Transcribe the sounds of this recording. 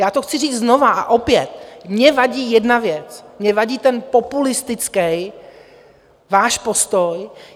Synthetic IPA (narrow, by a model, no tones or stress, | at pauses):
jaːt̪oxt͡sɪriːd͡z̪zno̞vaʔaʔopjɛt̪̚mɲɛvaɟiːjɛdnavjɛt͡smɲɛvaɟiːt̪ɛnpo̞pulɪst̪ɪt͡skɛj | vaːʃpo̞st̪o̞j